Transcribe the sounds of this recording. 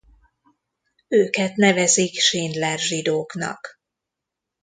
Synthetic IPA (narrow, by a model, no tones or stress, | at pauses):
øːkɛt̪nɛvɛzikʃeːnd̪lɛrʒid̪oːknɒ̰k